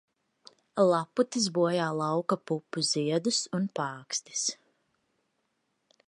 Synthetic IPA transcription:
lˠaput̪iz̬buɔjaːlˠawkapupːuziɛd̪usunpaːkst̪i̥s

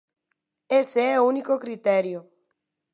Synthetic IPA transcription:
eseɛounikokɾit̪ɛɾjo

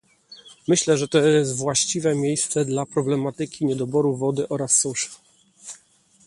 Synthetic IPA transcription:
mɘɕlɛʐɛt̪ɔjɛst̪vwaɕt͡ɕivɛmʲjejst̪sɛd̪lapɾɔblɛmat̪ɘkʲiɲɛd̪ɔbɔɾuvɔd̪ɘʔɔɾasːuʂ

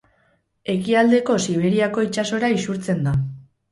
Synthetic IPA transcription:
e̞kiald̪e̞ko̞siβ̞e̞ɾiako̞it͡ʃaso̞ɾaisuɾt͡se̞nd̪a

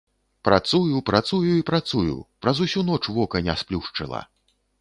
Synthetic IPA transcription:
pɾat̪sujupɾat̪sujuipɾat̪sujṵpɾɐzusʲunɔt͡ʂvɔkɐnʲasplʲuʂt͡ʂɨlˠɐ̰

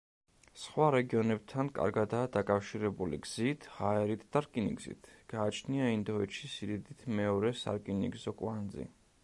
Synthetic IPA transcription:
sχwaɾɛɡiɔnɛb̥̚t̪ʰankʼa̰ɾɡad̪aːd̪akʼafʃiɾɛbulḭɡz̥it̪ʰʁaɛɾit̪ʰd̪̥aɾkʼinḭɡz̥ḭt̪ʰɡ̥aːt͡ʃʰniaind̪ɔɛʃisiɾid̪it̪ʰmɛɔɾɛsa̰ɾkʼinḭɡzɔkʼwand̪zḭ

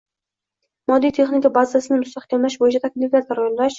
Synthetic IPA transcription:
mɒd̪ːijt̪ʰe̞χnɪkʲabazasɪnɪmʊst̪aχkʲʰamlaʃbojɪt͡ʃʰat̪ʰakʲliflʲaɾaɾjond̪aʃ

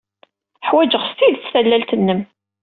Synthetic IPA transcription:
ħwæd͡ʒəʁst̪iðt͡sːθælːælt̪ənːəm

